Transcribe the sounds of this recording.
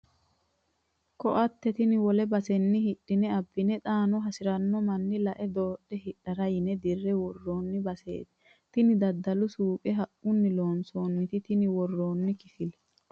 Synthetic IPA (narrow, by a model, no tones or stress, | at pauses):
kɔʔɐt̪ːɛt̪ɪnɪwɔlɛbɐsɛnːɪhɪɗːɪnɛɐbːɪnɛt̪ʼaːnɔɦɐsɪɾɐnːɔmɐnːɪlɐʔɛd̪oːɗːɛhɪᶑːɐɾɐjɪnɛd̪ɪrːɛwɔrːoːnːɪbɐsḛːt̪ɪ | t̪ɪnɪd̪ɐd̪ːɐlʊsuːkʼɛɦɐʔʊnːɪlo̞ːnsoːnːɪt̪ɪt̪ɪnɪwɔrːoːnːɪkɪfɪlɛ